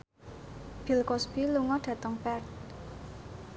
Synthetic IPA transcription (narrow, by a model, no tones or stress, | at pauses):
b̥i̤lkɔsb̥iluŋɔɖ̥ä̤t̪əŋpɛrt̪̚